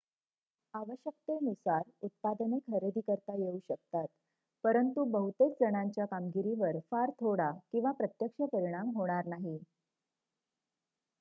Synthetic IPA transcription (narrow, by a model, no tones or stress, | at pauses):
aʋəɕjək̚t̪enusaɾut̪̚pad̪nekʰəɾed̪ʱikəɾt̪ajeuɕəkt̪at̪̚ | pəɾənt̪ubəɦut̪et͡sd͡zəɽ̃aɲt͡ɕjakamɡiɾiʋəɾfaɾt̪ʰoɽakĩw̃ʋapɾət̪jəkʂəpəɾiɽ̃amɦoɽ̃aɾnaɦi